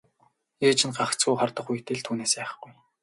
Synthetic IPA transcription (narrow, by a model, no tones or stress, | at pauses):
eːt͡ɕʰɪ̆nɢakt͡sɡujχɔrt̪ɞ̆χuj̆ʰt̪ʰĕɮt̪ʰuːneːspæːχə̆ɡuj